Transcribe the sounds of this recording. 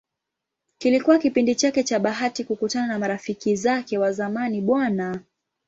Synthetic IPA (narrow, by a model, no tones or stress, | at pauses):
kilikuwakipindit͡ʃakɛt͡ʃaɓaɦatikukutananamaɾafikizakɛwazamaniɓwana